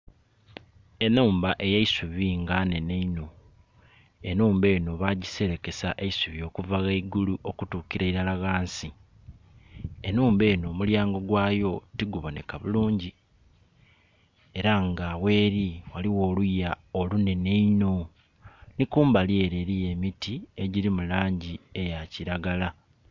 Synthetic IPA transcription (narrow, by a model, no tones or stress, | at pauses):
e̞nuːmbaʔe̞jeisuβiŋɡane̞ne̞ino̞ | e̞nuːmbe̞ːno̞βaɟise̞ɾe̞ke̞sa̰ʔeisuβio̞ːkuvaɣeiɡuluʔo̞kutuːkiɾaiɾalaɣaːnsi | e̞nuːmbe̞ːno̞muljaːŋɡo̞ɡwaːjo̞tiɡuβo̞ne̞̰kaβuluːɲɟi | e̞ɾaŋɡawe̞ːɾiwaliwo̞ːluja | olune̞neino̞ | nikuːmbalie̞ɾe̞ːɾije̞mitie̞ɟiɾimulaːɲɟie̞jaciɾaɡala